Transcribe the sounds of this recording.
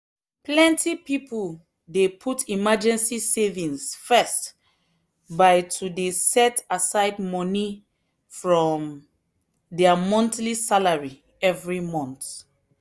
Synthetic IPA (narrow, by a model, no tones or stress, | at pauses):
plɛ̃ntʰipipul | depʰutʰimad͡ʒɛ̃nsisevĩnsfɛst | baɪtʰudesɛtasaɪdmɔ̃ni | fɹɔ̃m | dɛamɔ̃ntlisalaɹi | ɛvɹimɔ̃nt